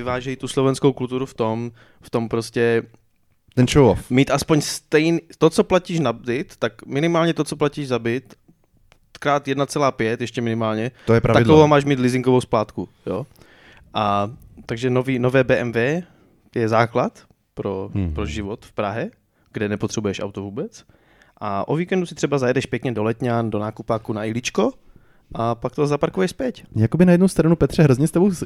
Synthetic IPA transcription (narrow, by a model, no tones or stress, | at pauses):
ɪvaːʒɛjt̪uslovɛnskowkult̪uɾuft̪o̞m | ft̪o̞mpɾoscɛ | t̪ɛnʃowofmiːt̪ʔaspoɲst̪ɛjnit̪ot͡soplaciːʃnabɪt̪ːakmɪnɪmaːlɲɛt̪ot͡soplaciːʒzabɪt̪ | kɾaːt̪jɛdnat͡sɛlaːpjɛt̪jɛʃcɛmɪnɪmaːlɲɛt̪ojɛpɾaaɪdkovomaːʃmiːt̪lɪzɪŋkovowsplaːt̪kujoː | ʔat̪aɡʒɛnoviːnovɛːbɛːʔɛmvɛː | jɛzaːklat̪ | pɾopɾoʒɪvot̪fpɾaɦɛ | ɡ̥dɛnɛpo̞t̪r̥ɛbujɛʃʔa̰wt̪ovuːbɛt͡s | ʔaʔoviːkɛndusɪt̪r̝̥ɛbazajɛdɛʃpjɛkɲɛdolɛt̪ɲandonaːkupaːkunaɪlɪt͡ʃko | ʔapakt̪ozapaɾkovjɛʃspjɛcjakobɪnajɛdnowst̪ɾanupɛt̪r̝̥ɛɦɾozɲɛst̪ɛbow